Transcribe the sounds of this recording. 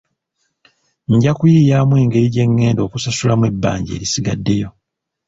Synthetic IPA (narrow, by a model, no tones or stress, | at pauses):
ɲɟakujiːjaːmwe̞ːŋɡe̞ɾiɟe̞ŋːe̞ːndo̞ːkusasulamwe̞bːa̰ːɲɟḛːɾisiɡadːe̞jo̞